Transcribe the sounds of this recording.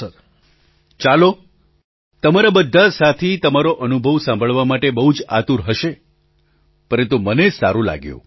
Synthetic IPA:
t͡ʃalo | t̪əmaɾabəd̪ʱːasat̪ʰit̪əmaɾoʔənubʱəʋsãmbʱəɭʋamaʈebəɦud͡ʒa̰t̪uɾɦəʃe | pəɾənt̪umənesa̰ɾũla̰ɡjṵ̃

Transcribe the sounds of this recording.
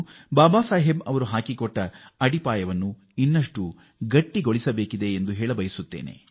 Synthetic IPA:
baːbaːsaːɦebɐʋɐɾuɦaːkikɔʈːɐɐɽipaːjɐʋɐnːu | inːɐʂʈu | ɡɐʈːiɡoɭisɐbeːkid̪e̞ːnd̪uɦeːɭɐbɐjisut̪ːḛːnḛ

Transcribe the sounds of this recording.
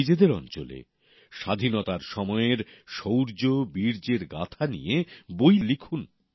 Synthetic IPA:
id͡ʑed̪eɾɔ̰nt͡ɕo̰lḛ | ʃad̪ʱinot̪aɾʃɔmɔeɾʃowɾd͡ʑobiɾd͡ʑeɾɡa̰t̪ʰanḭjebojlikʰun

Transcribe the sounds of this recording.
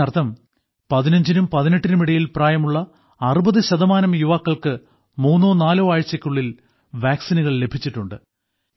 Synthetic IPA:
ɐrt̪ʰːɐm | pɐðinɐɲd͡ʑinumpɐðineʈːinumiɽɐjilpraːjɐmuɭːɐː | rubɐðɨɕɐðɐmaːnɐmjuʋaːkːɐɭkɨ | muːnːoːnaːloːaːɻt͡ɕːɐkʲːuɭːil | ʋaːksinuɣɐɭle̞bʱit͡ɕːiʈːuɳɖɨ

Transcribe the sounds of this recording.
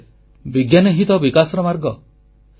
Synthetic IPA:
biɡjanɔɦit̪ɔbikasɔɾɔmaɾɡɔ

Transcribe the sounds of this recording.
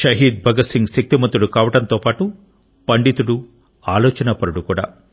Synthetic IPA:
ʃɐɦiːd̪̚bʱɐɡɐsiŋɡsik̚t̪imɐnt̪ːuɽukaːʋɐʈɐnt̪oːpaːʈu | pɐɳɖit̪uɽu | aːlɔːt͡ʃɐnɐpɐɾuɽukuːɽa̰ː

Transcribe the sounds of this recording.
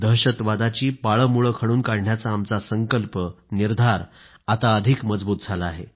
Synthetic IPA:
d̪əɦɕət̪ʋad̪at͡ɕiːpaɭəmuɭəkʰəɽuːnkaɽɳjat͡saːmt͡sasəŋkəlpəniɾd̪ʱaɾ | at̪aəd̪ʱikməd͡zbuːt̪̚d͡zʱalaːɦe

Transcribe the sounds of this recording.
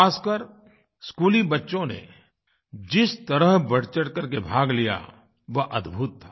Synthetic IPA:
aːskəɾ | skuːlibɐtːʃõnḛ | d͡ʒɪst̪ɐɾəɦbɐɽt͡ʃəʈkɐɾkebʱaːɡlija̰ | ʋɐʔɐd̪bʱuːt̪ʰːaː

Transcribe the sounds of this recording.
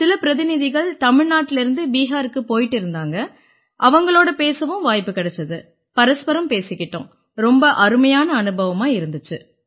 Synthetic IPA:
sɪlɐpɪɾɐðɪnɪðɪɣɐɭt̪ɐmɪɻnaːʈːɪlɪɾɯnd̪ɯbiːɦaːɾɯkːɯpoːjɪʈːɪɾɯnd̪aːŋɡɐ | ʔɐʋɐŋɡɐɭoːɽɐpeːsɐʋɯ̃mʋaːjpːɯkɪɽɛt͡ʃːɐðɯ | pɐɾɐspɐɾɐmpeːsɪkːɪʈːʊ̰̃ː | ɾɔmbɐʔɐɾɯmɐjaːnɐːnɯbɐʋɐmaːɪɾɯnd̪ɯt͡ʃːɯ

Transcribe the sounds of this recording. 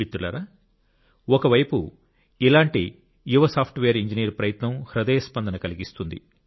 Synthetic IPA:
it̪ːulɐ̰ːɾaː | ɔkɐʋɐjpu | ilaːɳʈi | juʋɐsaːpʰʈʋeːɐɾiɲd͡ʒinijɐɾpɾɐjɐt̪nɐmhɾɐd̪ɐjɐspɐnd̪ɐnɐkɐliɡist̪und̪ḭ

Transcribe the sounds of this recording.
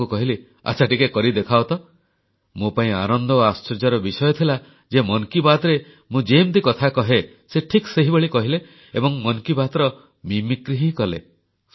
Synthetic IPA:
ukɔɦile | a̰t͡ʃʰaʈikekɔɾid̪ekʰawt̪ɔ | mopaĩa̰nɔnd̪ɔːast͡ʃɔɾd͡ʒɔɾɔbisɔjɔt̪ʰila | d͡ʒemɔnkibat̪ɾe | mũd͡ʒemt̪ikɔt̪ʰakɔɦe | seʈʰikseɦibeɭikɔɦile | ebɔŋmɔnkibat̪ɾɔ | mimikɾiɦikɔlḛ

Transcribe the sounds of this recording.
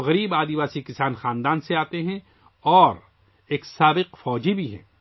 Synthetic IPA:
ɣɐɾiːbaːd̪iʋaːsikɪsaːnxãːnd̪aːnseaːt̪eɦɛ̃ | ɔːɾ | eːksaːbɪqfɔːd͡ʒibʱiɦɛ̰̃ː

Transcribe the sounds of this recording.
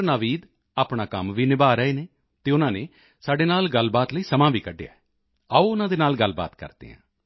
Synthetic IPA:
naːʋiːd̪ | aːpɳaːkəmʋiːnɪbaːɾəeːneː | t̪eːʊnãːneː | saːɖeːnaːlɡəlbaːt̪ləiːsəmãːʋiːkəɖːeja̰ːɛ | əuːʊnãːd̪eːnaːlɡəlba̰ːt̪kə̰ɾd̪̥ḛːɦã̰ː

